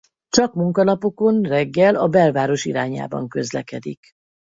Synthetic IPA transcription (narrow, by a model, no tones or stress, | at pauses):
t͡ʃɒkmuŋkɒlɒpo̞ko̞nrɛɡːɛlɒbɛlvaːɾo̞ʃiɾaːɲa̰ːbɒ̰ŋkø̞zlɛkɛd̪ik